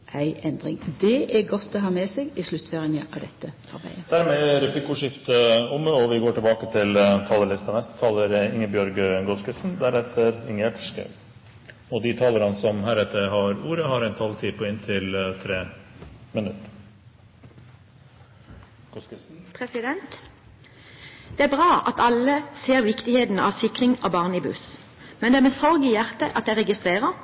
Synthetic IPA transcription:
ʔæɪʔɛnd̪ʁɪŋd̪ɛʔæɡɔt̪ʰːɔɦɑːmeːseːɡɪslʉt̪ːføʁɪnəʔɑʋd̪ɛt̪ːə | ɑ̰ɾbæ̰ɪəd̪̥æːɾmeːɾɛplɪkuːʂɪft̪əʊmːəɔʋɪɡoːʈʰɪlbɑːkət̪ʰɪlt̪ʰɑːləlɪst̪ɑnɛst̪ə̥t̪ʰɑːləɾɪŋːəbjœɾɡəɡɔskəsnd̪æɾɛt̪ʰːəɾɪŋəʈʂkɑ̰ | ɔd̪ɪt̪ʰɑːləɾɑnəsɔmɦæɾɛt̪ːəɦɑɾuːɾəhɑɾɛɪnt̪ʰɑlt̪ʰiːpʰɔɪnt̪ʰɪlt̪ʰɾeːmɪnʉt̪ | pʰʁɛsɪd̪ɛnt̪ | d̪̥ɛːæbʁɑːʔɑt̪ʰɑlːəseːʁʋɪkt̪ɪheːt̪n̩əɑ̰ʋsɪkʁɪŋɑʋbɑːʁniːbʉ̰s | mɛnd̪ɛæʁmɛsɔʁɡɪjæʁt̪əʔɑt̪̚d̪æɪʁɛɡɪst̪ʁeːʁə

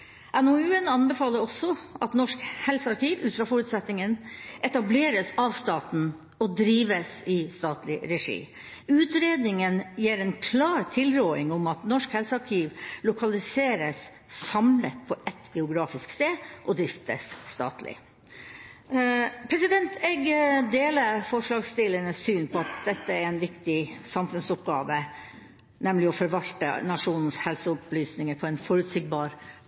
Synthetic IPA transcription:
ʔænʊʉːənɑnbɛfɑːləɾɔsɔʔɑt̪nɔʂkhɛlsəɑɾkiːʋʉ̰ːfɾɑfɔɾʉːt̪sɛt̪nɪŋənʔɛt̪ɑbleːɾəsɑʋst̪ɑːt̪n̩ | ɔd̪ɾiːʋəsɪst̪ɑːt̪lɪɾɛʂḭː | ʉːt̪ɾeːd̪nɪŋənjeːɾɛnkʰlɑːɾt̪ʰɪlɾoːɪŋʊmɑt̪nɔʂkhɛlsəɑɾkʰiːʋlʊkʰɑlɪseːɾəs | sɑmlət̪pʰɔʔɛt̪ːɡɛʊɡɾɑːfɪskst̪eːʔɔd̪ɾɪft̪ə̰sːt̪ɑ̰ːt̪lɪ̰ | pʰɾɛsɪd̪ɛnt̪ʰɛɡd̪eːləfɔʂɭɑːɡst̪ɪləɳəsːyːnpʰɔɑt̪̚d̪ɛt̪ːəæɾɛnʋɪkt̪ɪsɑmfʉnsʊpɡɑːʋə | nɛmlɪɔfɔɾʋɑlt̪ə̰nɑʂuːnn̩shɛlsəʊplyːsnɪŋəɾpʰɔɛnfɔɾʉt̪sɪɡ̚bɑːɾ

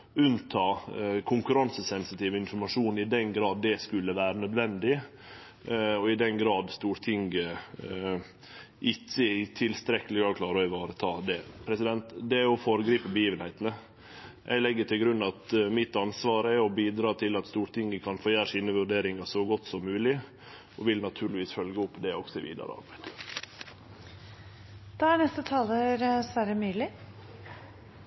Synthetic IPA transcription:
ʉnt̪ʰɑːkʰʊŋkʉɾɑnsəsɛnsɪt̪ʰiːʋəɪnfɔɾmɑʂuːnɪd̪ɛnɡɾɑːd̪ːɛskʉlːəʋæːɾənœd̪ʋɛnd̪ɪ | ɔɪd̪ɛnɡɾɑːd̪st̪uːɾt̪ʰɪŋɡə | ʔɪtːət̪ʰɪlst̪ɾɛkːəlɪɡɑkʰlɑːɾəɛɪʋɑːɾət̪ʰɑːd̪ɛpʰɾɛsɪd̪ɛnt̪d̪ɛæɾɔfoːɾəɡɾiːpəbəjiːʋənhɛɪt̪ənə | ʔæ̰ɪlɛɡːəʈ̪ʰɪlɡɾʉnːɑt̪mɪt̪ːɑnsʋɑːɾəɛɔbiːd̪ɾɑːt̪ʰɪlɑt̪st̪uːʈ̪ʰɪŋːəkʰɑnfojæːɾʂiːnəʋʉɖeːɾɪŋɑsɔɡɔt̪ːsɔmːʉːlɪ | ʔɔʋɪlnɑt̪ʰʉːɾɭɪʋiːsfœlɡəɔpːd̪ɛɔksɔɪʋḭːd̪ɑ̰ɾɑ̰ɾbæd̪ | d̪̥ɑːæɳɛst̪ət̪ʰɑːləɾsʋæːɾəmyːlɪ

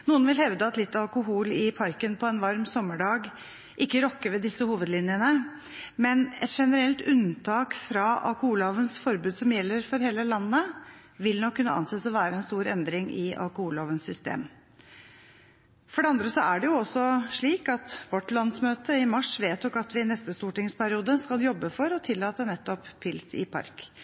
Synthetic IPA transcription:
nuːənʋɪlhɛʋd̪əɑt̪lɪt̪ːɑlkʊɦuːlɪpʰɑɾkənpʰɔɛnʋɑɾmsɔmːəɖɑːɡ | ʔɪkːəɾɔkːəɾʋɛd̪ɪsəhuːʋəd̪lɪnjənə | mɛnɛt̪ʂɛnəɾɛlt̪ʉnt̪ʰɑːkfɾɑɑ̰lkʊhuːlhɑːʋənsfɔɾbʉːd̪sɔmjɛlːəɾfɔɾɦeːləlɑnːə | ʋɪlnɔkʰːʉnːəʔɑ̰nseːsɔʋæːɾəɛnst̪uːɾɛnd̪ɾɪŋʔɪɑ̰lkʊhuːlhoːʋənsʏst̪ḛːm | fɔɖɛɑnd̪ɾəsɔæɖɛjʊɔsːɔʂɭiːkɑt̪ʋɔʈlɑnsmøːt̪əɪmɑʂʋeːt̪ɔkɑt̪ʋɪnɛst̪əst̪uːʈɪŋspʰæɾɪuːd̪əskɑljɔbːəfɔɾɔt̪ʰɪlːɑːt̪ənɛt̪ːɔpʰːɪlsɪ̰pʰɑ̰ɾk

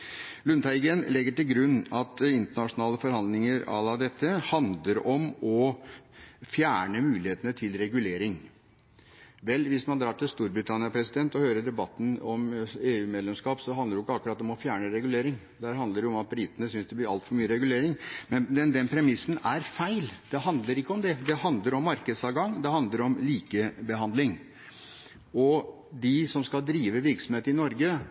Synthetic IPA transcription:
lʉnt̪æɪɡɛnlɛɡːəʈɪlɡɾʉnːɑt̪ɪnt̪əɳɑʂʊnɑːləfɔɾhɑnd̪lɪŋəɾɑ̰lɑd̪ɛt̪ːəhɑnd̪ləɾɔmɔ | fjæːɳəmʉːlɪheːt̪ənət̪ʰɪlɾɛɡʉleːɾɪŋ | ʋɛlːʋɪsmɑnd̪ɾɑːʈɪlst̪uːɾbɾɪt̪ʰɑnɪɑpʰɾɛsɪd̪ɛnt̪ɔhøːɾəɖ̪ɛbɑt̪ːn̩ɔmeːʉːmeːd̪lɛmskɑːpsɔɦɑnd̪əɾjɪkːəɑkːʉɾɑt̪ɔmɔfjæːɳəɾɛɡʉleːɾɪŋ | d̪æːɾɦɑnd̪əɖɛʊɔmɑt̪̚bɾɪt̪ənəsʏnsd̪ɛb̪ɪɾɑ̰lt̪fɔɾmyːəɾɛɡʉleːɾɪŋmɛnd̪ɛnd̪ɛnpʰɾɛmɪsːən̩æɾfæɪld̪̥ɛɦɑnd̪ləɾɪkːəɔmd̪ɛd̪ɛhɑnd̪ləɾɔmːɑɾkəd̪sɑʋɡɑŋːd̪ɛɦɑnd̪ləɾɔmliːkəbəɦɑnd̪lɪŋ | ɔ | d̪ɪsɔmskɑld̪ɾiːʋəʋɪɾksɔm̩heːt̪əɪnɔɾɡə

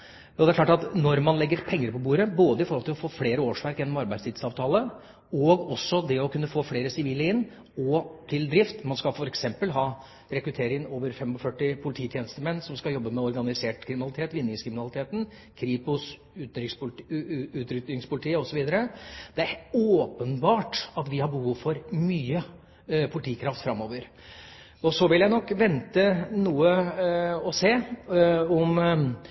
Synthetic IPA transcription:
ɔd̪ɛæklɑːʈɑt̪nɔɾmɑnlɛɡːəɾpʰɛŋːəɾpʰɔbuːɾəboːd̪əɪfɔɾhɔlt̪ɪlɔfoːfleːɾəoːʂʋæɾkɛnːɔmɑɾbæɪd̪st̪ʰiːd̪sɑːʋt̪ʰɑːlə | ɔɡɔsːɔd̪ɛɔkʉnːəfoːfleːɾəsɪʋiːlːəɪnː | ɔt̪ʰɪld̪ɾɪft̪mɑnskɑfɔɾɛksɛmpəlɦɑː | ɾɛkɾʉt̪ʰeːɾɪŋənoːʋəɾfɛmɔfœʈːɪpʰʊlɪt̪ʰiːt̪ʰjeːnəst̪əmɛnːsɔmskɑjɔbːəmɛɔɾɡɑnɪseːʈkʰɾɪmɪnɑlɪt̪ʰeːt̪ʋɪnːɪŋskʰɾɪmɪnɑlɪt̪ʰeːt̪n | kʰɾiːpʊs | ʉːt̪ɾɪks | ʉːt̪ɾʏt̪nɪŋspʊlɪt̪ʰiːəɔsɔʋiːd̪əɾəd̪ɛæɾoːpənbɑːʈɑt̪ʋɪhɑbəhuːʋfɔɾmyːə | pʰʊlɪt̪ʰiːkʰɾɑft̪fɾɑmːoːʋəɾ | ɔsɔʋɪljæɪnɔkːʋɛnt̪ənuːə | ɔseː | ɔm

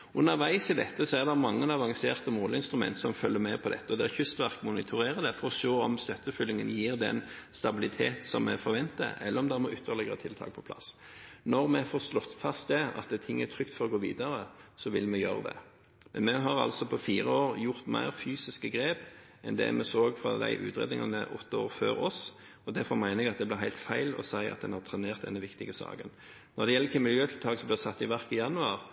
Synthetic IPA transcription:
ʔʉnːəʁʋæɪsɪd̪ɛt̪ːəsɔæʁd̪ɛmɑŋːənɑʋɑŋseːʁt̪əmoːləɪnst̪ɾʉmɛ̰nt̪sɔmfœlːəmɛpʰɔd̪ɛt̪ːəɔd̪ɛæçʉst̪ʋæʁkmʊnɪt̪ʰʊɾeːʁəd̪ɛfɔɾɔʃoːɔmst̪œt̪ːəfʏlːɪŋənjiːʁd̪ɛ̰nst̪ɑbɪlɪt̪ʰeːt̪sɔmːɛfɔɾʋɛnt̪ə̰ʔɛlːəɾɔmd̪æɾmɔʔʏt̪ʰːəʁlɛɡəɾət̪ʰɪlt̪ʰɑ̰ːk̚pʰɔpʰlɑ̰s | nɔʁmɛfoːslɔt̪ːfɑst̪̚d̪ɛɑ̰t̪d̪ɛt̪ʰɪŋːæɾt̪ʰʁʏkt̪fɔɾɔɡoːʋḭːd̪əɾəsɔʋɪlmɛjøːɾəd̪ɛ̰ | mɛnmɛɦɑʁɑ̰lsɔpʰɔfiːɾəoːʁjʊɾt̪mæ̰ɪʁfyːsɪskəɡɾeːp | ʔɛnd̪ɛ̰mʔɛsoːɡfɾɑ̰d̪æ̰ɪʔʉ̰ːt̪ɾeːd̪nɪŋɑnəʔɔt̪ːəoːɾføːɾɔs | ɔd̪æɾfɔmæɪnəɛɡɑt̪̚d̪ɛblɪɦæɪlt̪fæɪlɔ̰sæɪɑ̰t̪̚d̪ɛnhɑʁt̪ʰɾɛneːʁt̪̚d̪ɛ̰nːəʋɪkt̪ɪɡəsɑ̰ːɡən | nɔɾd̪ɛjɛlːɪkəmɪljøːt̪ʰɪlt̪ʰɑːksɔmblɪsɑt̪ːɪʋæʁkɪjɑnʉɑʁ

